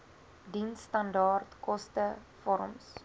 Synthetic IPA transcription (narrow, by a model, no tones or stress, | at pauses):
dinsːtɐndɑːrtkɔstəfɔɾəms